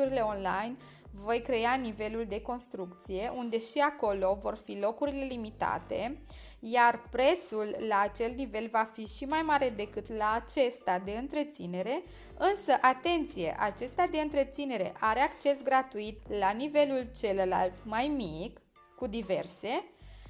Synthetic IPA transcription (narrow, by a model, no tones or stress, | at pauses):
uɾile̞o̞nlajn | vo̞jkɾe̞anive̞luld̪e̞ko̞nst̪ɾukt̪sije̞ʔund̪e̞ʃiako̞lo̞vo̞rfilo̞kuɾile̞limit̪a̰t̪e̞̰ | jarpɾe̞t̪sulːaːt͡ʃe̞lt̪nive̞lvafiʃimajmaɾe̞d̪e̞kɨt̪laːt͡ʃe̞st̪ad̪e̞ɨnt̪ɾe̞t̪sine̞ɾe̞ | ɨnsəʔat̪e̞nt̪sije̞̰ʔat͡ʃe̞st̪ad̪e̞ɨnt̪ɾe̞t̪sine̞ɾe̞̰ʔaɾe̞akt͡ʃe̞sɡɾat̪uit̪lanive̞lult͡ʃe̞ləla̰lt̪majmik | kud̪ive̞rse̞